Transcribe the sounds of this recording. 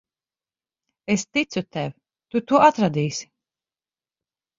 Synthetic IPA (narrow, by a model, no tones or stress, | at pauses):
est̪it̪sut̪ɛv | t̪ut̪uɔat̪ɾad̪iːsʲi̥